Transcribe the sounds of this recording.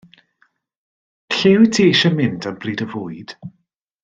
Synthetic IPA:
ɬewtʰiʃəmɪndanbriːdəvʊːɨd̥

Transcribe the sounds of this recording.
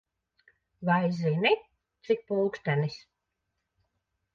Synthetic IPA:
vajzini | t̪sik̚pulˠkst̪ænis

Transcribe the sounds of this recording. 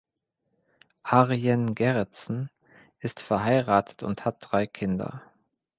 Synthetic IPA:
ʔaʁɛnɡɛʁɛt͡sn̩ | ʔɪstfɛɐɦaɪʁaːtʰə̥tʊ̰nthat̚d̥ʁaɪkʰɪndɐ̰

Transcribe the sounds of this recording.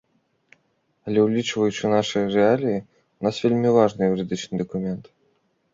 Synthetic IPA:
ɐlʲɛwlʲit͡ʂvɐjut͡ɕunaʂɨjrɛalʲiji | unasvʲelʲmʲivaʐnɨjɾɨd̪ɨt͡ʂnɨd̪əkumʲɛnt̪

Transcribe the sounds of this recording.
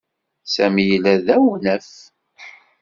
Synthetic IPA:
sæmjəlæðæwnæf

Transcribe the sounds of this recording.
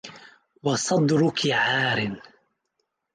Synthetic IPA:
wɑsˤɑd̪ɾʊkɪʕaːɾɪn

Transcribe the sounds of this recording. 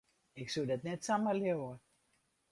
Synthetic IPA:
ɪksudɛtnɛtsaməljewə

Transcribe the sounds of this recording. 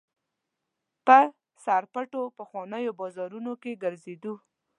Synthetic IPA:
pə | saɾpəʈopəxwɑnəjobɑzɑɾunokeɡəɾzed̪u

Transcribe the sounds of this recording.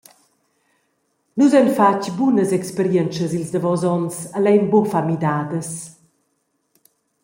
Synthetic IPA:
nuzɛnfacbunəzɛkspəɾjɛnt͡ʃəzilzd̪əvɔzɔnsalɛjmbɔfamid̪aːd̪əs

